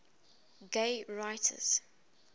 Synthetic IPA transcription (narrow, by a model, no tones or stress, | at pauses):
ɡeɪɹaɪtʰə̰z̥